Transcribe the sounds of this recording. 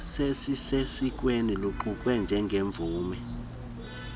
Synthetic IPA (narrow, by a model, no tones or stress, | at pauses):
sesisesikʼweniluǃukʼwɛnd͡ʒʱɛŋɡʱeɱb̪vʱuːmɛ